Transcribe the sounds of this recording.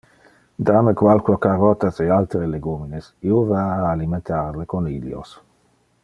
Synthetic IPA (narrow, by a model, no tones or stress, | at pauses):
d̪amekwalkuokarɔt̪asealt̪ɾeleɡuminesiovaːlimẽnt̪aɾlekoniljo̰s